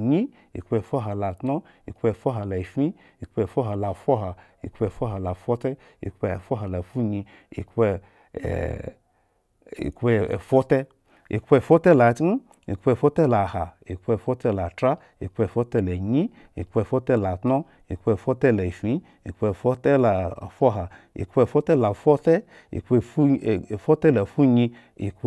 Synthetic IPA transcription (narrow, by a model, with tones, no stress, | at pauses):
ɲi˦ | ḭ˨kpɛ˧˨fɔ˦ɦa˨la˨tnɔ˦ | ḭ˨kɛ˧˨fɔ˦ɦa˨la˨i˨fĩ˦ | i˨kpɛ˧˨fɔ˦ɦa˧la˨fɔ˦ɦa˨ | ḭ˨kpɛ˧˨fɔ˦ɦa˨la˨fɔ˦tɛ˦ | ḭ˨kɛ˧˨fɔ˦ɦa˨la˨fu˦ɲi˧ | ḭ˨kɛ̰˧˨ | ḭ˨kɛ̰˧˨fɔ˦tɛ˦ | ḭ˨kɛ˧˨fɔ˦tɛ˦la˨t̩˦ | ḭ˨kpe˧˨fʷɔ˦tɛ˦la˨ha˨ | i˨ke˧˨fɔ˦tɛ˦la˨tɾa˦ | ḭ˨kpɛ˧˨fɔ˦tɛ˦la˨ɲi˦ | ḭ˨kpɛ˧˨fɔ˦tɛ˦la˨tnɔ˦ | i˨kpe˧˨fɔ˦tɛ˦la˨fi˨˦ | i˨kpe˧˨fo˦tɛ˦la˨fo˦ɦa˨ḭ˨kpɛ˧˨fɔ˦tɛ˦˨la˨fɔ˦tɛ˦ | ḭ˨kɛ˧ffɔ˦tɛ˦la˨fu˦ɲi˧ | ḭ˨k